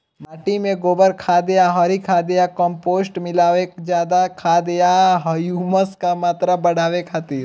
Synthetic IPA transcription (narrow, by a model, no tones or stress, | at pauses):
maːʈimẽɡoːbəɾkʰaːd̪ejaɦɔːɾikʰad̪ejakɔ̃mpoːsʈmɪlaːʋekd͡ʒjaːd̪akʰaːd̪ejaɦɐjuːməskamaːt̪ɾabɐɽ̤aːʋekʰaːt̪iːɾ